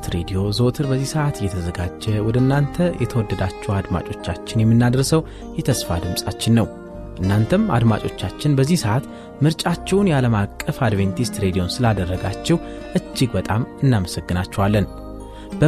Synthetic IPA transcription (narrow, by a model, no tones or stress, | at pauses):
t̪ɾed̪ijo̞zo̞t̪ʰɨɾbəzːisəʔat̪ɨjːɛt̪ʰəzəɡad͡ʒːɛwɔd̪əɨnːant̪ʰəjɛt̪ʰəwɔd̪ːəd̪at͡ʃːɛwad̪ma̰t͡ʃʼo̞t͡ʃːat͡ʃːɪnjɛmːɨnːad̪əɾsəw | jɛt̪ʰəsfad̪ɨmsʼat͡ʃːɪnːəw | ʔɨnːant̪ʰəma̰d̪ma̰t͡ʃʼo̞t͡ʃːat͡ʃːɪnbəzːihsəʔat̪ | mɨɾt͡ʃʼat͡ʃːɛwnjaləmakʼːəfad̪vent̪ʰist̪ɾe̞d̪io̞nsɨlad̪ərːəɡat͡ʃːɛw | ʔɨd͡ʒːɪɡbət̪ʼamɨnːaməsəɡːɨnat͡ʃːɛwalːən | b̥ə